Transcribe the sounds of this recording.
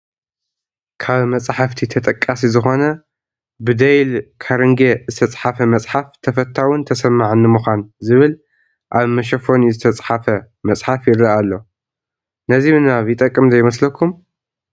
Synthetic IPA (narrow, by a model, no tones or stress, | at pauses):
kʰaβmɐt͡sʼħaft̪ʰit̪ʰɐt̪ʼɐkʼːasizɨxo̞nɐ | bɨd̪ejlkʰaɾɨŋɡezɨt̪ʰɐt͡sʼħafɐmɐt͡sʼħaft̪ʰɐfɐt̪ʰːawʊnt̪ʰɐsɐmːaʕɨnːɨmuxʷanzɨβɨl | ʔaβmɐʃ̬ɐfo̞nizɨt̪ʰɐt͡sʼħafɐ | mɐt͡sʼħafjɪɾːɐʔalːo̞ | nɐzimɨnaβjɪt̪ʼɐkʼːɨmzɐjmɐslɐkʰːum